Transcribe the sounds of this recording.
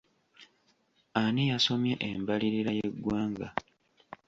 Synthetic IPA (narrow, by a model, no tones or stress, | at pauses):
anijaso̞mjeʔembaliɾiɾajeɡwaːŋɡa